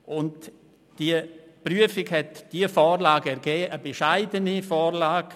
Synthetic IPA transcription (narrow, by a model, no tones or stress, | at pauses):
ʔʊnt | d̥iəpryəfɪɡhɛtd̥iəfɔːrlaːɡɛɾɡ̥ɛːʔəbɛʃaɪdənifɔːrlaːɡ̥